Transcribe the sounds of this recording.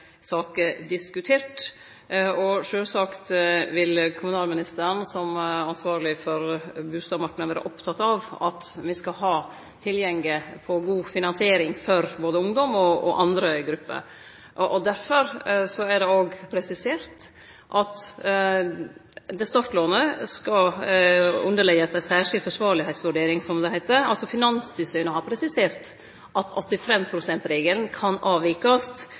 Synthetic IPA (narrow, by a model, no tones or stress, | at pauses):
sɑːkəd̪ɪskʉt̪ʰeːʈ | ɔʂøːlsɑkt̪ʋɪlkʰʊmʉnɑːlmɪnɪst̪əɾənsɔmɑnsʋɑːɾlɪfɔɾbʉːst̪ɑːbmɑɾkɪnʋæːɾə̰ʔɔpt̪ʰɑt̪ːɑʋɑt̪ʋɪskɑɦɑː | t̪ʰɪljɛŋɡɪpʰɔɡuːfɪnɑnsɪeːɾɪŋfɔɾboːd̪əʊŋd̪ɔmɔɔ̰ʔɑnd̪ɾəɡɾʉpːə̰ | ʔʔɔd̪æɾfɔɾsɔæɖɛoːɡpʰɾɛsɪseːɾt̪ | ʔɑt̪ | d̪ɛst̪ɑt̪loːnəskɑ | ʉ̰nd̪əɭɛɡəsæsæːʂɪlfɔʂʋɑːɾɭɪhɛɪt̪sʋʉɖeːɾɪŋsɔmd̪ɛhæɪt̪əɑ̰lsɔfɪnɑnst̪ʰʏsœːnəhɑɾpʰɾɛsɪseːɾt̪ | ʔɑt̪ɔt̪ːɪfɛmːpʰɾʊsɛnt̪ɾeːɡəlnkʰɑnɑːʋɪkɑst̪